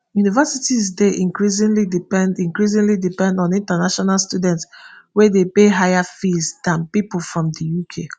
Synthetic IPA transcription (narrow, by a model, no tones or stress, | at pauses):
junivɛsitizdeʔĩŋkɹis̬ĩŋlidipɛ̃ndĩŋkɹis̬ĩŋlidipɛ̃ndɔ̃nĩntanaʃɔnalˠstudɛ̃ntswɛdepeɦajafizdãnpipl̩fɹɔ̃mdəjukʰe